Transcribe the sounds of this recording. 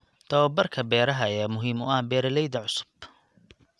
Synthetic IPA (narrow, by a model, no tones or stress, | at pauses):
d̪̥ɐwɐbɐrkʰɐbɛːɾɐɦɐjaːmʊɦiːmʊɐhbɛːɾɐlɛjd̪ɐʕʊsʊ̥b̥